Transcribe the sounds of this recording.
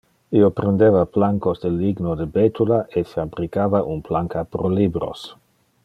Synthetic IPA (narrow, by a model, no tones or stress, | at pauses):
iopɾend̪evaplaŋkosd̪eliɡnod̪ebet̪ulaʔefeabɾikavaʔunplaŋkapɾolibɾo̰s